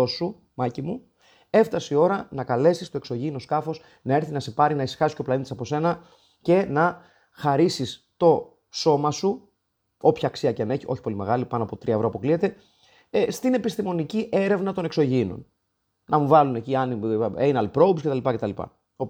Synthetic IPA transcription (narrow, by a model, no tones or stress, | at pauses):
osu | mɐcimu | e̞ft̪ɐsio̞ɾɐnɐkɐle̞sist̪o̞e̞kso̞ʝino̞skɐfo̞s | nɐe̞ɾθinɐse̞pɐɾinɐisi̥xɐsi̥sceoplɐnit̪isɐpo̞se̞nɐ | ce̞nɐ | xɐɾisist̪o̞ | so̞mɐsu | o̞pçɐːksiɐceɐneçiʔo̞çipo̞lime̞ɣɐlipɐnoɐpo̞t̪ɾiɐevɾo̞ɐpo̞kliet̪e̞ | st̪ine̞pist̪imo̞niciʔe̞ɾe̞vnɐt̪o̞ne̞kso̞ʝino̞̰n | nɐmuvɐlune̞ciɐniejnɐlpɾo̞wbscet̪ɐlipɐce̞t̪ɐlipɐ̰ | op